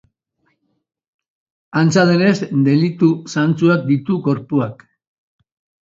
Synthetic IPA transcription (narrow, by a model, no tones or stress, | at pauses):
ant͡saðene̞zd̪e̞lit̪usant͡suak̚d̪it̪uko̞ɾpuak